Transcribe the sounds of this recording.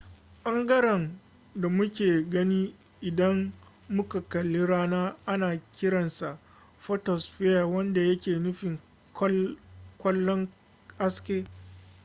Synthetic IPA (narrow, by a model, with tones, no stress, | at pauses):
ʔɐ˦ŋɡɐ˦ɾɛ˨n | da˨mʊ˦kʲeː˨ɡɐ˦niː˦ | ʔɪ˨dɐ˦mː | ʊ˦ka˨kɐ˨lːɪ˦ɽaː˦naː˦ʔa˦naː˨kʲɪ˦ɽɐ˨nsa˨ | ɸɔ˦tɔ˨sɸɪ˦ja˨wɐ˦nda˨jɐ˦kʲeː˨nʊ˦ɸɪ˨ŋ˦ | kʷɐ˦lːɔ˦ŋ | ʔa˦skʲeː˦